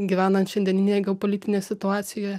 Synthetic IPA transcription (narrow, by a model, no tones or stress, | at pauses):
ɡʲiʋʲæːnɐnt̪ʃʲɛnd̪ʲɛnʲɪnʲeːjɛɡʲɛopolʲit̪ʲɪnʲeːsʲɪt̪ʊɑːt̪sʲɪjojɛ